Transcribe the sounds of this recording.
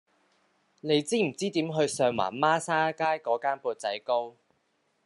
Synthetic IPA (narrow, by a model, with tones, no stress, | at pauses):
ne˨˧jt͡siː˥m̩˨˩t͡siː˥t̪iː˨˥mɦɵ˧ɥsœː˧ŋwa̰ː˨˩nmaː˥saː˥kaː˥jkɔː˨˧˥kaː˥npuː˧t̚t͡sɐ˨˥jko˥w